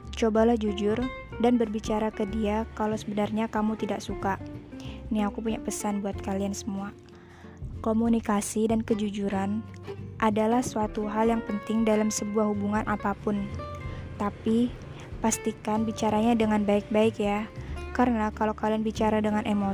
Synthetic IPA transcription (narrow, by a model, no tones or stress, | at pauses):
t͡ʃobalahd͡ʒud͡ʒʊrdanbərbit͡ʃaɾakədiakalosəbənarɲakamut̪idaʔsuka | niakupuɲaʔpəsanbuat̪̚kaliansəmua | komunikasidankəd͡ʒud͡ʒuɾan | ʔadalahsuat̪uɦaljaŋpənt̪ɪŋdalamsəbuahɦubuŋanʔapapʊnt̪api | past̪ikanbit͡ʃaɾaɲadəŋanbaɪk̚baɪkjakaɾənakalokalianbit͡ʃaɾadəŋanʔemo